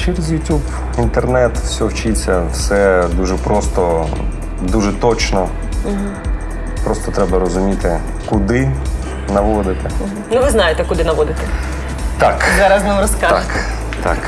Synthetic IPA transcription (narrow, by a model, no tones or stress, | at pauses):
t͡ʃɪɾɪzʲjʊtʲub | int̪ernɛt̪wsʲɔwt͡ʃit͡sʲːɐwsɛd̪uʒɛpɾʔɔst̪ɔ | d̪uʒɛt̪ɔt͡ʃnɔ | m̩ɦ̩ | pɾɔst̪ɔt̪ɾɛbɐɾɔzʊmʲit̪ɪ | kʊd̪ɪ | nɐʋɔd̪ɪt̪ɛ | nʊʋɪznɑjet̪ɛkʊd̪ɪnɐʋɔd̪ɪt̪ɛ | t̪akzɑɾɐznɪmɾɔskak | t̪a̰k